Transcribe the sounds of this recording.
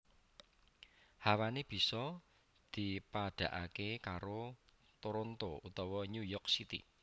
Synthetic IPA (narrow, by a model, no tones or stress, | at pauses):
hawaneb̥i̤sɔ | d̪̥i̤paɖ̥a̤ʔa̰kekaɾo | t̪oɾont̪out̪ɔwɔɲujɔrksit̪ḭ